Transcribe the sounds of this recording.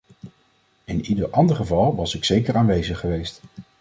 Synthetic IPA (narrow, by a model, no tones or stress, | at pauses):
ɪnidəɹʔɑndəɹχəvɑlˠʋɑsɪksejkəɹaːnʋejzəχːəʋejst